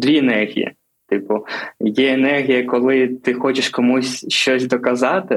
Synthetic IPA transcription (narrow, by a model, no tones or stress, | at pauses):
d̪ʲʋʲiɛnɛrɦʲḭjḭ | t̪ɪpʊjɛenɛrɦʲijɐkɔlˠɪt̪ɪxɔt͡ʃɪʃkɔmusʲʃt͡ʃɔsʲd̪ɔkɐzɑt̪ɪ